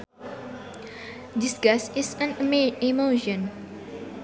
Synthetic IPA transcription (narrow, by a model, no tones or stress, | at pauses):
disɡɛsisə̃nmimoʃə̃n